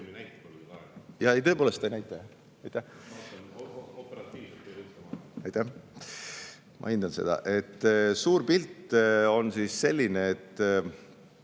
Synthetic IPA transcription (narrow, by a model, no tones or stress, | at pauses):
næjt̪ːepolukɑjɑe̞jt̪ɤpoːlest̪ːst̪ɑejnæjt̪ˑːɑ | ɑjt̪ːˑæh | opeɾɑt̪ːˑiːvset̪uɑ̰jt̪ːˑæh | mʔɑ̰ind̪̥ɑnse̞d̪̥ɑ̰ʔe̞t̪ːsuːɾpilt̪ːo̞nsiːsːe̞lʲːineːt̪ː